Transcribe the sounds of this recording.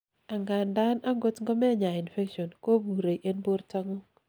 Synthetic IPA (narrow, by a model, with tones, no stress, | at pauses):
a˨ŋɡa˨nda˦na˦ŋɡo˦tŋɡɔ˦mɛ˦˨ɲa˨i˨nfe˦kʃo˨nko˦bu˨ɾe˨ʔe˦nbo˦ɾta˦ŋo˦